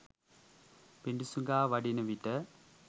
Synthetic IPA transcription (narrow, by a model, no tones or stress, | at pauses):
piɳɖusuŋɡaːʋɐɖinɐʋiʈːɐ